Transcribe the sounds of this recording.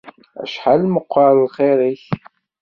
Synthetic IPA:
æ̰ʃħalməqʷːɑɾˤlχeɾiç

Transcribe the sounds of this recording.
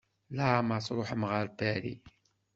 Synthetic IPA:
læmɑsˤɾˤʊħəmʁəɾbæɾḭ

